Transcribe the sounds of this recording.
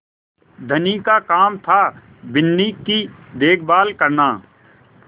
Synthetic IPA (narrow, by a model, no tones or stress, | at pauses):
d̪ʱənikakaːmt̪ʰa | bɪnːiːkid̪eːkʰbaːlkəɾnaː